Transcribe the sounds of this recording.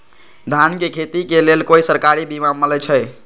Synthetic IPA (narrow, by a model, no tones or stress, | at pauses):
d̪ʱankekʰet̪ikelelkoisəɾkaɾibimamələt͡ʃʰə